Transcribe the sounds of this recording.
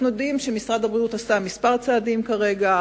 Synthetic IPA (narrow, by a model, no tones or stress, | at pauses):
nujod̪imʃemisʁad̪abʁidut̪asamispaʁt͡saːd̪imkaʁe̞ɡa